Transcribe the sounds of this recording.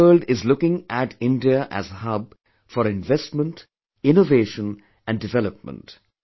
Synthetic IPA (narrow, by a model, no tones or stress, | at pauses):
əːlɖɪzlʊkɪ̃ŋæʈʰɪ̃nɖiəʔæ̰zhʌb̚ | fɔɾɪ̃nvɛstmə̃nt | ɪ̃noveːʃə̃n | æ̃nɖɪvɛləp̚mə̰̃nt